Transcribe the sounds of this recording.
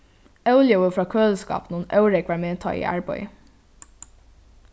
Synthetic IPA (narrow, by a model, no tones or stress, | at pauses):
œʉljəʋəfɾɑːkʰøːləskɑ̰ːpnuːnœʉɾɛkʋæɹmeːt̪ʰɑ̰ːḭːʔæ̰ɹbœ̰ʏ